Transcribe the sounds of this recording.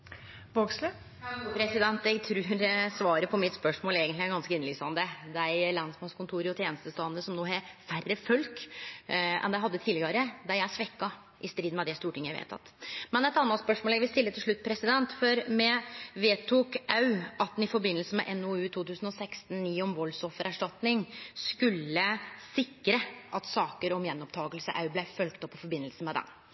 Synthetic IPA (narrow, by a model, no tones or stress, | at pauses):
ʋoɡslə | pʰɾɛsɪd̪ɛnt̪ɛɡt̪ʰɾʉːɾsʋɑːɾəpʰɔmɪt̪spœʂmoːleːɡənɪæɾɡɑnskəɪnəlyːsɑnd̪əd̪æɪlɑnsmɑnskʰʊnt̪ʰuːɾəɔt̪ʰjeːnəst̪əst̪ɑːt̪nəsɔmnoːɦɛfærːəfœlk | ɛ̰nd̪æɪɦɑd̪ːət̪ʰiːlɪɡɑɾəd̪æjæsʋɛkːɑ | ʔɪst̪ɾiːd̪n̩mɛd̪ɛst̪uːʈɪŋːjæɪʋḛːt̪ʰɑ̰t̪mɛnɛt̪ɑnːɑt̪spœʂmoːlæʋɪst̪ɪlːət̪ʰɪlʂɭʉt̪̚ːpʰɾɛsɪd̪ɛnt̪fɔɾmɛʋeːt̪ʰuːkɑʉʔɑt̪̚d̪nɪfɔɾbɪnːəlsəmɛ̰ʔɛnoʉːt̪ʰuːt̪ʰʉːsn̩ɔsɛkst̪n̩niːɔmʋɔlsɔfːəɾæʂʈɑt̪nɪŋskʉlːəsɪkːɾəʔɑt̪sɑːkəɾɔmjɛnːɔpt̪ʰɑːɡəlsə̰ʔɑ̰ʉblæfœlkt̪ɔpːɔfɔɾbɪnːəlsn̩mɛd̪ɛ̰n